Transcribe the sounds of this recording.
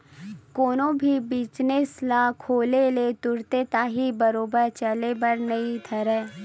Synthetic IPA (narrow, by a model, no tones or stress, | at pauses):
koːnõbʱibit͡ʃneslaːkʰoːlelet̪ʊɾt̪et̪aːɦibɐɾoːbəɾt͡ʃɐlebɐɾnɐɦĩt̪ʰɐɾɛː